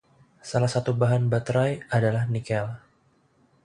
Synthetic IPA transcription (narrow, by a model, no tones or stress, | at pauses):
salahsat̪ubaɦanbat̪ɾajadalahnikɛl